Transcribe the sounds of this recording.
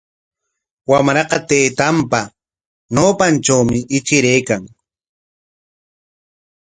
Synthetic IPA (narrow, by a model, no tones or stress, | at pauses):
wamɾɑqɑt̪eːt̪ampa | noːpant͡ʃawmɪʔɪt͡ʃɪɾejkaŋ